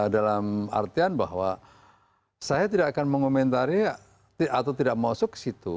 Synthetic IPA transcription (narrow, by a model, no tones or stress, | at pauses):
dalama̰rt̪ianba̰hwa | sajat̪idakakanməŋkomɛnt̪aɾi | t̪iat̪awt̪idaʔk̚masʊkə̥sit̪u